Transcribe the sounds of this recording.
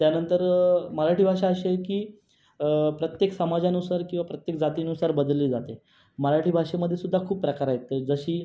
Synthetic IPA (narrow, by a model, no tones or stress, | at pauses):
t̪janənt̪əɾməɾaʈʰiːbʱaʂaəɕekiː | pɾət̪jeksəmad͡zanusaɾkĩw̃ʋapɾət̪jek̚d͡zat̪iːnusaɾbəd̪lːiːd͡zat̪e | məɾaʈiːbʱaʂeməd̪ʱːjesud̪ʱːakʰuːpːɾəkaɾajek̚t̪ed͡zəɕiː